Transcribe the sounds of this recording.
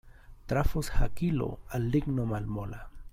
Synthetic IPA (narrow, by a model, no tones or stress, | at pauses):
t̪ɾafoshakilo̰alːiknomalmola